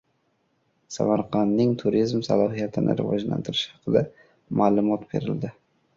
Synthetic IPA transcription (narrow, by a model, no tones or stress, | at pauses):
sa̰maɾqʰɑnːɪŋt̪ʰʊɾizmsalˠɒɦijat̪ʰɪnʔɪ̰ɾɪvɒ̰d͡ʒla̰nt̪ʰɪɾɪʃhɑqʰɨd̪a | maːlˠʊmɒt̪be̞̰ɾɪ̰ld̪ɪ